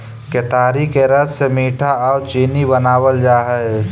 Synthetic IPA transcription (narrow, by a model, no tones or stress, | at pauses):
ket̪aːɾikeɾədsemiːʈʰaɔːt͡ʃiːnibənaːwəld͡ʒaːɦɛe